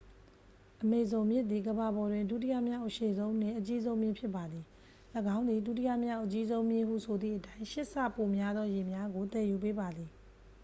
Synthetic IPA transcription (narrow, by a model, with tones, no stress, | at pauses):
ʔəme˨zõ˨ʊ̃mjɪ˦t̪̚ːi˨ɡəba˨bɔ˨dwɪ̃˨ndṵ˦˨tḭ˦ja̰˦˨mja˦ʊʔəʃe˦˨zõ˦ʊ̃n̥ɪ̰̃˦˨ʔət͡ɕi˦zõ˦mjɪ̃˦mpʰjɪ˦pːa˨d̪ði˨ | ləɡã˦ʊ̃nd̪i˨dṵ˦˨tḭ˦ja̰˦˨mja˦ʊʔət͡ɕi˦zõ˦ʊ̃mjɪ̃˦˨hṵ˦˨sʰo˨d̪ðḭ˦˨ʔətã˦ɪ̃ʃɪ˦ʔsä̰˦˨po˨mja˦d̪ðɔ˦je˨mja˦ɡo˨t̪ɛ˨ju˨p̬e˦ba˨d̪ði˨